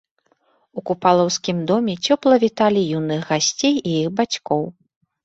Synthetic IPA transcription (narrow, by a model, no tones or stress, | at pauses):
ukupalˠɔwskʲimd̪ɔmʲɛt͡sʲɔplˠɐvʲit̪alʲijunɨxɣasʲt͡sʲejijixbat͡sʲkɔw